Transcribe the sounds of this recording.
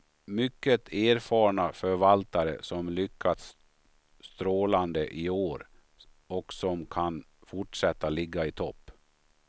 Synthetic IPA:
mʏkːət̪ʰeːɾfɑːɳafœɾvalt̪aɾə̰sɔmlʏkʰːat̪sː | t̪ɾoːland̪əʔɪoːɾ | ɔksɔmkʰan | fʊʈʂɛt̪ːalɪɡːaɪt̪ʰɔpː

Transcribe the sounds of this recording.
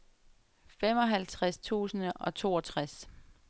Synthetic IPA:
fem̰ɒ̽ɦælt͡sʰʁast͡sʰṵːsnɒ̽t͡sʰo̝̰ːɒt͡sʰʁas

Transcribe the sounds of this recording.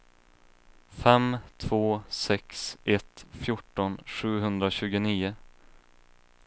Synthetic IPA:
fɛmt̪ʰv̥oːsɛksʔɛt̪fjʊʈːɔnɧʉ̟ːɦɵnd̪ɾaɕʉ̟ːɡʊniːʊ

